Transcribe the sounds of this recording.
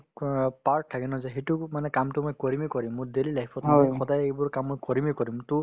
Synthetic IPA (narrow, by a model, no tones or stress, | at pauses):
paɹkʰakinɔzaɦetumanɛkamtʊmojkɔɹimikɔɹimːʊdelilaɦipʰɔtmaxɔdajejbɔɹkamːojkɔɹimikɔɹimtʊ